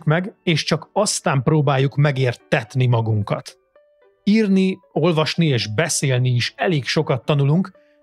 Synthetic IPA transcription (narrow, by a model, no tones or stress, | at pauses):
kmɛɡeːʃt͡ʃɒkɒst̪aːmproːbaːjːukmɛɡeːrt̪ɛt̪nimɒɡuŋkɒ̰t̪ | iːrnio̞lvɒʃnieːʒbɛseːlniːʃɛleːkʃo̞kɒt̪ːɒnuluŋk